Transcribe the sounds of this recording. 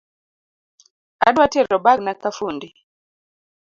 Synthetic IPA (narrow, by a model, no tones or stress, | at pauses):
a̰ɗwatɛɾɔbaɡnakafundi